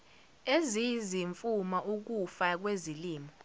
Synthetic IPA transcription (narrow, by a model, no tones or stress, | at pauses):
eziziɱfʼumaʔuk̬ufak̬weziliːmɔ